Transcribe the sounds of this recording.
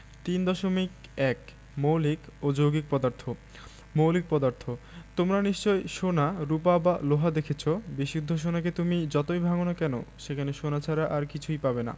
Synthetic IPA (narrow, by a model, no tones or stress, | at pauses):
t̪ind̪ɔʃomikɛk | mowlikod͡ʑoɡik̚pɔd̪aɾt̪ʰo | mowlik̚pɔd̪aɾt̪ʰot̪omɾaniʃt͡ɕɔejʃonaɾupabaloɦad̪ekʰet͡ɕʰobiʃud̪ʱːoʃ̬onak̬et̪umid͡ʑɔt̪ojbʱaɡonakɛno̰ʃekʰaneʃonat͡ɕʰaɾaʔaɾkit͡ɕʰujpabena̰